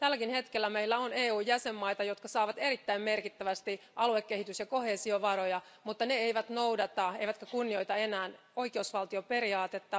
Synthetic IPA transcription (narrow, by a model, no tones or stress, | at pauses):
t̪ælːækinhe̞t̪kelːæmeilːæoneːuːjjæsemːɑit̪ɑjo̞t̪kɑsɑːʋɑt̪e̞ɾit̪ːæimmerkit̪ːæʋæst̪i | ʔɑluekːeɦhit̪ysjɑko̞heːsioʋɑɾojɑ | mut̪ːɑneeiʋæt̪noudɑt̪ɑeiʋæt̪kækunːio̞jt̪ɑe̞næːn | o̞ikeusʋɑlt̪iope̞ɾiɑːt̪et̪ːɑ